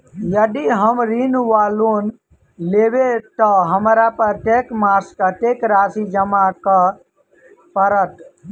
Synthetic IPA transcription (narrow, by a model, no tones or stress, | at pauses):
jəd̪iɦəmɾinʋaːlon | lebet̪ɔɦəmɾapəɾʈekmaskəʈekɾasid͡ʒəmakə | pəɾət̪